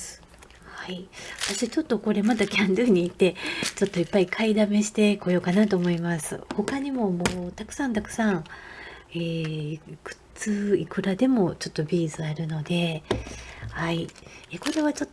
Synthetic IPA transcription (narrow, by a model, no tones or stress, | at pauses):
s | haiβat̪aɕit͡ɕo̞t̪ːo̞ko̞ɾe̞mat̪akʲãnd̪ɯ̟ːɲ̟iːt̪ːe̞t͡ɕo̞t̪ːo̞ipːaikʰaid̪ame̞ɕi̥t̪e̞ko̞jo̞kanat̪o̞ːmo̞imasɨ̰ho̞kaɲ̟imo̞moːt̪akɯ̟̥sãnt̪akɯ̟̥sãɰ̃ | eːkɯ̟̥t͡sɨːikɯ̟ɾad̪e̞mo̞t͡ɕo̞t̪ːo̞bʲiːzɨaɾɯ̟no̞d̪e̞ | haieko̞ɾe̞βat͡ɕo̞t̪ː